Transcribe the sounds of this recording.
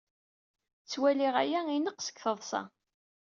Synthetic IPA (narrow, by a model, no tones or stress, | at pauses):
t͡sːwæliʁæ̰jæinəqsə̥kθəðˤsɑ̰